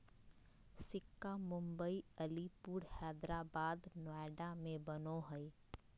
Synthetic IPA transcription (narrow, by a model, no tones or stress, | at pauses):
sɪkːamʊ̃mbəiəlipuːɾhɛːd̪ɾabaːd̪naːɖamẽbənoɦəi